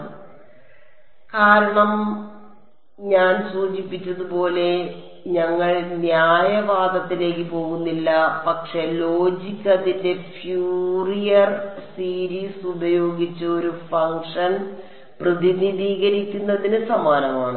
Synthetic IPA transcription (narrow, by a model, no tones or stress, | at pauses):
kaːɾɐɳɐm | ɲaːnsuːt͡ɕipːitːɐðupo̞ːle̞ | ɲɐŋːɐɭnjaːjɐʋaːɡɐt̪ːile̞ːkːɨpo̞ːɣunːilːɐpɐkʂe̞lo̞ːd͡ʑikʲːɐðinde̞fjuːrijɐrsiːɾiːsubɐjo̞ːɡit͡ɕːɐo̞ɾufɐŋʂɐn | prɐðiniðiːɣɐɾikʲːunːɐðinɨsɐmaːnɐmaːɳɨ